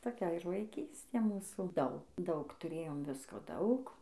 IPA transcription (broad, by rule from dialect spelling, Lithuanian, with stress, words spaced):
toːˈkʲɛ ɪr ʋɐɪˈkʲiːsʲtʲeː ˈmuːsuː ˈdɐʊk ˈdɐʊk tʊˈrʲeːjoːm ˈʋʲɪskoː ˈdɐʊk